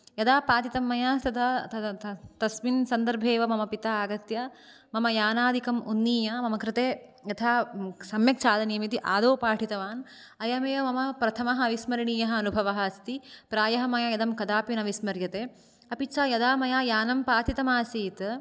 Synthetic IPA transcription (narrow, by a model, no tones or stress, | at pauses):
jɐd̪aːpaːt̪it̪ɐmːɐjaːst̪ɐd̪at̪ɐt̪ɐsminsɐnd̪ɐɾbʱeːʋɐmɐmɐpit̪aːaːɡɐt̪jɐ | mɐmɐjaːnaːd̪ʱikɐmunːiːjɐmɐmɐkɾɪt̪eː | jɐt̪ʰaːsɐmjɐk̚t͡ʃaːd̪ɐniːmit̪iʔaːd̪oːpaːʈʰit̪ɐʋaːn | ɐjɐmeːʋɐmɐmɐpɾɐt̪ʰɐmɐɦɐɐʋismɐɾiɳiːjɐɦɐɐnubʱɐʋɐɦɐɐst̪ipɾaːjɐɦɐmɐjajɐd̪ɐmkɐd̪aːpinɐʋismɐɾjɐt̪eː | ɐpit͡ʃaːjɐd̪aːmɐjaːjaːnɐmpaːt̪it̪ɐmaːsiːt̪